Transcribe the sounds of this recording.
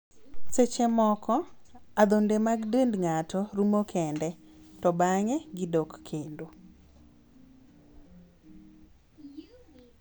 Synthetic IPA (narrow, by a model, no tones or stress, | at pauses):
set͡ʃɛmɔkʰɔ | ad̪ondemaɡdəndŋatɔɾumokʰɛndɛtɔbaŋɛɡɪdɔkkʰendo